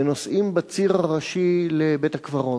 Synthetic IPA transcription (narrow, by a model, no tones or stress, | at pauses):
nosʔimbat͡siʁaʁaʃilebet̪akvaʁo